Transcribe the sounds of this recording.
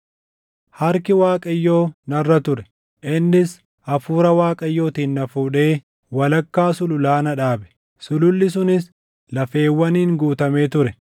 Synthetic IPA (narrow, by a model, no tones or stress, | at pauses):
hɐɾkɪwaːkʼɐjːo̞ːnɐrːɐt̪ʊɾɛ | ʔɪnːɪs | ʔɐfuːɾɐwaːkʼɐjːo̞ːt̪iːnːɐfuːᶑe̞ː | wɐlɐkːaːsʊlʊlaːnɐᶑaːbɛ̥ | sʊlʊlːɪs̬ʊnɪs | lɐfe̞ːwːɐniːŋɡuːt̪ɐme̞ːt̪ʊɾɛ